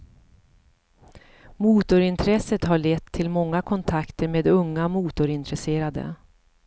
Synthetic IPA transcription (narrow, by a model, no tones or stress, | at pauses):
muːt̪ʊɾɪnt̪ʰɾɛsət̪haɭet̪ʰːɪlmɔŋːakʰɔnt̪ʰakt̪əɾmeːd̪ɵŋːamuːt̪ʊɾɪnt̪ɾɛseːɾad̪ə̰